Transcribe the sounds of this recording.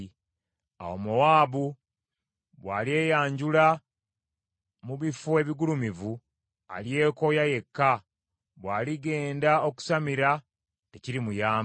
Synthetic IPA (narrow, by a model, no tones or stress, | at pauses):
a̰wo̰muwaːβu | βwaːlie̞ːjaːɲɟula | muβifoe̞βiɡulumivu | a̰lje̞ːko̞jaje̞kːa | βwaːliɡe̞ːndao̞ku̥samiɾa | te̞ciɾimujaː